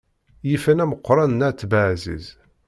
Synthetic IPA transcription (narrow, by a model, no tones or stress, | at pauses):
jifænæməqʷːɾˤɑnnæt͡sːbaʕzḭz